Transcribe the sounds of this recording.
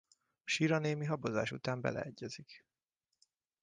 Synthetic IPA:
ɒʃiːɾɒneːmiɦɒboza̰ːʃṵt̪aːmbɛ̰lɛ̰ɛɟːɛzik

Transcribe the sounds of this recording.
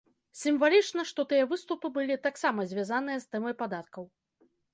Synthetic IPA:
sʲimvalʲit͡ʂnɐʂt̪ɔt̪ɨjɐvɨst̪upɨbɨlʲit̪aksamɐzʲvʲazanɨjɐst̪ɛmɐjpad̪at̪̚kɐw

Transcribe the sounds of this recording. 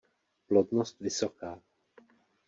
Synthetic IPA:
plodnost̪vɪsokaː

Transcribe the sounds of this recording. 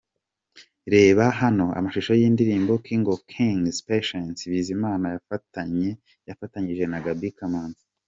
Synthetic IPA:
ɾe̞ːβaɦano̞a̰maʃiʃo̞jiːndiɾiːmbo̞kiːŋɡo̞kʰiŋzpeʃensβizimaːnajafataɲe̞ | jafataɲiʒe̞naɡabikamaːnzḁ

